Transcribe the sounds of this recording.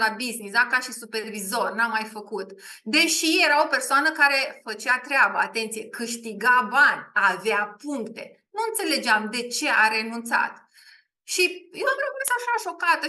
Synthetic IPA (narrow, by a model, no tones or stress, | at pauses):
labiznisd̪akaʃisupe̞rvizo̞rnamːajfəkut̪d̪e̞ʃije̞ɾao̞pe̞rsoanəkaɾe̞fət͡ʃat̪ɾeabəat̪e̞nt̪sije̞kɨʃt̪iɡabanʲaveapuŋkt̪e̞ | nuɨnt̪se̞le̞d͡ʒeamd̪e̞t͡ʃe̞ʔaɾe̞nunt̪sa̰t̪ | ʃijevɾokɾesaʃaʃo̞kat̪ə